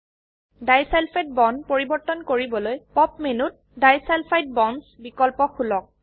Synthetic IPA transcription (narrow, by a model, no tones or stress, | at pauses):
dajsɛlpʰet̚bɔnpoɹibɔɹtɔnkoɹibɔlojpɔp̚menut̚dajsɛlpʰajt̚bɔnsbikɔlpɔxʰulɔk̚